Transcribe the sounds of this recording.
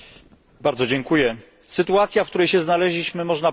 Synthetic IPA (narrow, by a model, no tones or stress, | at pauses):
baɾd̪zɔd͡ʑɛŋkujɛ | sɘt̪uat̪sʲjafkt̪uɾɛjɕɛznalɛʑlʲiɕmɘmɔʐna